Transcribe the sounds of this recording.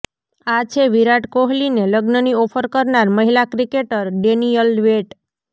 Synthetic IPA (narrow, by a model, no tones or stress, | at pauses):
at͡ʃʰeʋiɾaʈkoɦlineləɡnəniɔpʰəɾkəɾnaɾməɦilakɾikeʈəɾɖenijəlʋeʈ